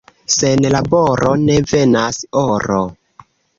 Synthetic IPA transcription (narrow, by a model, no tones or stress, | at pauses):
senlaboɾone̞ve̞nasoɾo